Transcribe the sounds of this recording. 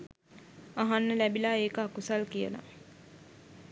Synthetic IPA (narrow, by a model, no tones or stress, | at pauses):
aɦanːəlæbilaeːkəakusalkijə̰la̰